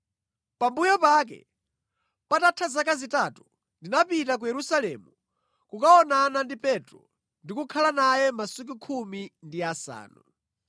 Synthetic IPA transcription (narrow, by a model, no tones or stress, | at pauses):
pambujɔpak̬ɛ̰ | patatʰazakazitatu | ndinapitak̬ujɛɾusalɛ̰mu | kukaɔnanandipɛtɾɔ̰ | ndikukʰalanajɛmasuk̬ukʰumindiasa̰ːnṵ